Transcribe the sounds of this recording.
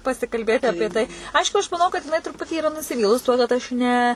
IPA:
pɐsʲɪkɐlʲˈbʲeːtʲɪ ˈɑːpʲiɛ tɐɪ ˈɐɪʃkʊ ɐʃ mɐˈnɐʊ kɐt jɪˈnɐɪ trʊˈpʊtʲiː iːˈrɐ nʊsʲɪˈʋʲiːlˠʊs tuɔ kɐt ˈɐʃ ˈnʲɛ

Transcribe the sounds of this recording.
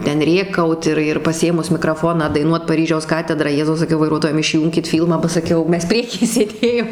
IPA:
ˈtʲɛn ˈrʲeːkɐʊt ɪr ɪr pɐˈsʲeːmʊs mʲɪkrɐˈfoːnɑː dɐɪˈnuɔt pɐˈrʲiːʒʲɛʊs ˈkɑːtʲɛdrɑː ˈjæːzɐʊ sɐˈkʲɛʊ ʋɐɪˈruɔtoːjɛm ɪʃʲˈjuːŋʲkʲɪt ˈfʲiːlˠmɑː bɐ sɐˈkʲɛʊ ˈmʲɛs ˈpʲrʲiɛkʲiː sʲeːˈdʲeːjoːm

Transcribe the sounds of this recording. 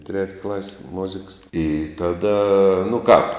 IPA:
tʲrʲɛtʲ klˠɐsʲ ˈmoːzʲɪks ɪ ˈtɑːˌdɐ nʊ kɑːp

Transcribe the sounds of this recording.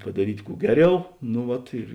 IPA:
pɐdɐˈrʲiːtʲ ˈkuː ˈɡʲæːˌrʲɛʊ nʊ ˈʋɐt ɪr

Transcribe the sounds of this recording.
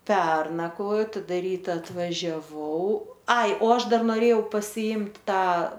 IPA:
ˈpʲɛrnɐkʋoːjoː tɐˈdɐ ˈrʲiːtɐ ɐtʋɐʒʲɛˈʋɐʊ ɐɪ oː ˈɐʃ ˈdɐr noːˈrʲeːjɛʊ pɐsʲɪˈɪmʲtʲ ˈtɑː

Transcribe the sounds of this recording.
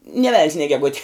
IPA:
nʲeː ʋʲɛlʲnʲs nʲeː ɡʲɛˈɡʊtʲɪ

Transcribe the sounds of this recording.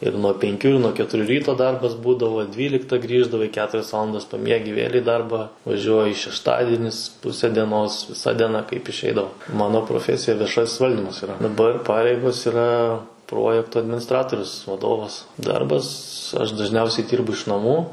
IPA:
ɪr nuɔ pʲɛŋʲˈkʲuː ɪr nuɔ kʲɛtʊˈrʲuː ˈrʲiːtoː ˈdɐrbɐs ˈbuːdɐʋoː ˈdʲʋʲiːlʲɪktɐ ˈɡrʲiːʒdɐʋɐɪ ˈkʲæːtʊrʲɛs ˈʋɑːlˠɐndɐs pɐˈmʲiɛɡʲɪ ʋʲeːlʲ iː ˈdɐrbɑː ʋɐˈʒʲuɔjɪ ʃʲɛʃˈtɑːdʲɪnʲɪs ˈpʊsʲɛ dʲiɛˈnoːs ʋʲɪˈsɐ dʲiɛˈnɐ kɐɪp ɪʃʲˈɛɪdɐʋoː ˈmɑːnoː proːˈfʲæːsʲɪjɛ ʋʲiɛˈʃɐsʲ ˈʋɐlʲdʲiːmɐs iːˈrɐ dɐˈbɐr ˈpɑːrʲɛɪɡoːs iːˈrɐ ˈproːjɛktʊ ɐdʲmʲɪnʲɪˈstrɑːtoːrʲʊs ʋɐˈdoːʋɐs ˈdɐrbɐs ɐʃ dɐʒʲˈnʲɛʊsʲɛɪ ˈdʲiːrbʊ ɪʃ nɐˈmuː

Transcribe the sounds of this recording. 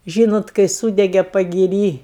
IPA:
ˈʒʲiːnoːt kɐɪ ˈsuːdʲɛɡʲɛ pɐɡʲɪˈrʲiː

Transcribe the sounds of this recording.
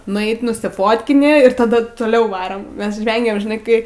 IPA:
nʊˈɛɪt nʊsʲɪˈfoːtʲkʲɪnʲɪ ɪr tɐˈdʊ toːˈlʲɛʊ ˈʋɑːrɐm ˈmʲɛs ˈʒʲʋʲɛŋʲɡʲeːm ʒʲɪˈnɐɪ ˈkɐɪ

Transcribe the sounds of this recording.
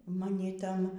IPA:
mɐˈnʲɪ ˈtɐn

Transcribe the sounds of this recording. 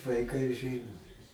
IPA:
ʋɐɪˈkɐɪ ˈʒʲɪnoː

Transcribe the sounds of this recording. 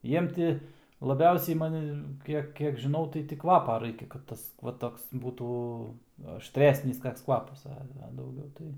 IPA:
ˈjiɛm tʲɪ lˠɐˈbʲɛʊsʲɛɪ mɐˈnʲɪ ˈkʲiɛk ˈkʲiɛk ʒʲɪˈnɐʊ tɐɪ tʲɪ ˈkʋɑːpɐ ˈrɐɪkʲɛ kɐt ˈtɐs ʋɐ ˈtoːks ˈbuːtuː ɐʃʲˈtʲrʲæːsʲnʲɪs ˈkɐks ˈkʋɑːpɐs ˈɐ ɐ dɐʊˈɡʲɛʊ tɐɪ

